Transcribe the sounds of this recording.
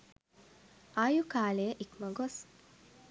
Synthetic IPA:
ajukaːlejəʔikməɡos

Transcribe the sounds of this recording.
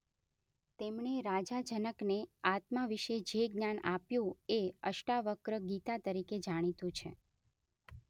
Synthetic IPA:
t̪emɳeɾad͡ʒad͡ʒənəkneat̪maʋiʃed͡ʒeɡnanapjũeəʃʈaʋəkɾəɡit̪at̪əɾiked͡ʒaɽ̃it̪ũt͡ʃʰḛ

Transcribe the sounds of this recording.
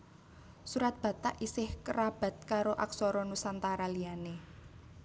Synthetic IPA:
suɾat̪̚b̥ä̤t̪aʔisɪhkəɾab̥ä̤t̪̚kaɾoʔa̰ksɔɾɔnusant̪aɾaliane

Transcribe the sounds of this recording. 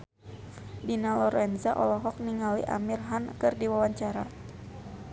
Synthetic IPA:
dinalɔɾɛnzaʔɔlɔɦɔk̚niŋalḭʔa̰mirɦankɨrdiwawaɲt͡ʃaɾa̰

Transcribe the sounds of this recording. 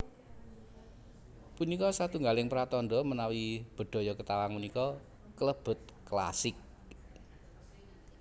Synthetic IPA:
punikɔsat̪uŋɡalɪŋpɾat̪ɔnɖɔmənawib̥ə̤ɖ̪̥o̤jɔkət̪awaŋmunikɔ | kələb̥ʊ̤t̪̚kla̰sɪk̚

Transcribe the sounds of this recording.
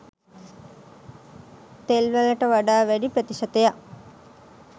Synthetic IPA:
t̪elʋələʈəʋaɖaːʋæɖipɾət̪iʃɐt̪eja

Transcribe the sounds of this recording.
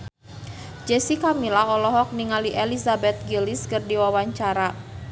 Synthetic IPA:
d͡ʒɛsikamilaɔlɔɦɔk̚niŋaliʔɛlisabɛt̪̚ɡiliskərdiwawaɲt͡ʃaɾa

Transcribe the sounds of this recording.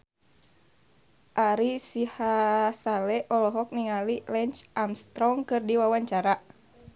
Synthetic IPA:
ʔaɾisihasalɛʔɔlɔɦɔk̚niŋalilɛnt͡ʃʔamst̪ɾɔŋkɨrdiwawaɲt͡ʃaɾa

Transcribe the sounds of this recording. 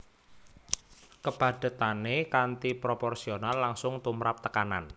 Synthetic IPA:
kəb̥a̤d̪̥ə̤t̪anekant̪ipɾopɔrsionalːaŋsʊŋt̪umɾap̚t̪əkana̰n

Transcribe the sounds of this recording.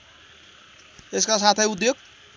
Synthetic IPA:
eskas̬at̪ʰajud̪joɡ̚

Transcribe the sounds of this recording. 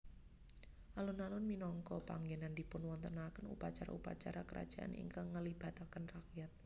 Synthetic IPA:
ʔalunalʊnminɔŋkɔpa̰ŋɡenandipʊnwɔnt̪ənakənupat͡ʃaɾa̰upa̰t͡ʃa̰ɾakəɾʔa̰d̥ʒ̥a̤ʔa̰nʔḭŋkaŋːəlib̥a̤t̪akənrakjat̪̚

